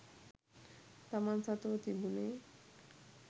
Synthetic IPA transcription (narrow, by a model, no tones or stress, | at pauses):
t̪amansat̪ot̪ibune